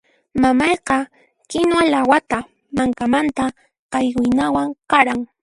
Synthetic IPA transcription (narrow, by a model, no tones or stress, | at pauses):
mamɑjqɑ | kɪnwalawat̪a | maŋkamant̪a | qɑjɢʊjnawaŋqɑɾaŋ